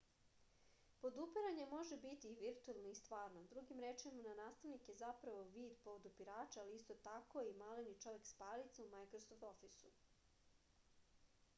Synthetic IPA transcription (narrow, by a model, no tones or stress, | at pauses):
pod̪upiɾaɲe̞mo̞ʒe̞bit̪iːʋiɾt̪uelˠnoist̪ʋaːɾnod̪ɾuɡimɾet͡ʃimananaːst̪aʋnikje̞zapɾaʋo̞ʋiːd̪po̞ʋod̪upiɾaːt͡ʃaːliist̪o̞t̪ako̞imalenit͡ʃo̞ʋe̞kspaːlit̪saumajkɾosoft̪o̞fisu